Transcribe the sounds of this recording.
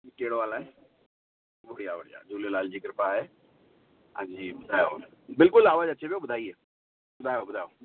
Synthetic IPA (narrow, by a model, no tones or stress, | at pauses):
keːɽoʋaːlaɦɛː | ʋoɽijaʋəɽija̰d͡ʒuːlelaːld͡ʑiːkɪɾɪpaɦɛː | ã̰ːd͡ʑiːbʊd̪ʱaːjobɪlkʊlaːʋaːd͡ʒɐtːʃʰepijobʊd̪ʱaːie | bʊd̪ʱaːjobʊd̪ʱaːjoː